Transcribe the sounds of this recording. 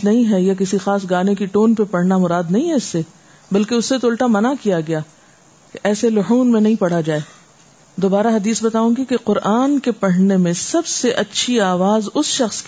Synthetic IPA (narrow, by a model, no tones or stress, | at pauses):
nɐɦĩɦɛjak̬ɪsixaːs̬ɡaːnekiʈoːnpepɐɽ̤namʊɾaːd̪nɐɦĩɦɛɪsːe | bɐlkeʊsːet̪oːlʈamɐnakijaɡɐjaː | keʔɛːselʊɦuːnmẽnɐɦĩpɐɽ̤ad͡ʒaːeː | d̪oːbaːɾaɦɐd̪iːsbɐt̪aːũɡikeqʊɾʔaːnkepɐɽ̤nemẽsɐbseʔɐtːʃʰiaːʋaːzʊsʃɐxsk